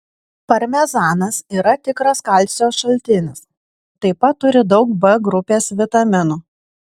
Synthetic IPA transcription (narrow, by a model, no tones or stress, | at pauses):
pɐɾʲmʲɛzɑːnɐsiːɾɐt̪ʲɪkɾɐskɐlʲt̪ʲsʲoːsʃɐlʲt̪ʲɪnʲɪs | t̪ɐɪpɐt̪ːʊɾʲɪd̪ɒʊkbɛɡɾʊpʲeːsʋʲɪt̪ɐmʲɪnuː